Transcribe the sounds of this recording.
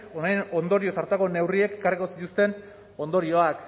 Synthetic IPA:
onajno̞nd̪o̞ɾio̞saɾt̪ako̞ne̞wrie̞ke̞kariko̞sit̪ust̪e̞n | o̞nd̪o̞ɾio̞ak

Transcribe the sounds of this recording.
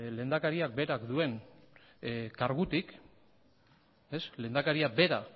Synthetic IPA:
le̞ːnd̪akaɾiak̚be̞ɾakd̪ue̞n | kaɾɣut̪ik | e̞sle̞nd̪akaɾiabe̞ɾa

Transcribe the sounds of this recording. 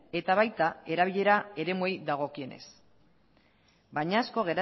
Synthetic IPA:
e̞t̪aβajt̪ae̞ɾaβ̞iʎe̞ɾae̞ɾe̞mue̞jðaɣ̞o̞kie̞ne̞̰s | baɲaːsko̞ɣ̞e̞ɾa

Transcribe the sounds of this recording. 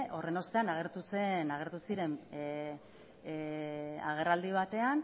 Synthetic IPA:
ʔo̞re̞no̞st̪e̞anaɣ̞e̞ɾt̪usenaɣ̞e̞ɾt̪usiɾe̞n | aɣ̞e̞rald̪iβ̞at̪e̞an

